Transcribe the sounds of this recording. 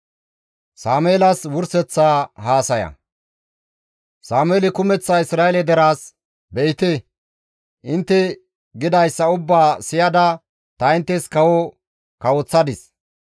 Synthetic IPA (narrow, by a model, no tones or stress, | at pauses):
saːmeːlɐswʊɾsɛt͡sːaːɦaːsɐjɐ̰ | saːmeːlɪkʊmɛt͡sːɐɪsɾaːɛlɛd̪ɛɾaːs | bɛjt̪e | ʔɪnt̪ːɛ | ɡɪd̪ɐjsːɐʊbːaːsɪjɐd̪ɐ | t̪ɐɪnt̪ːɛskɐwɔ | kɐwɔt͡sːɐd̪ɪs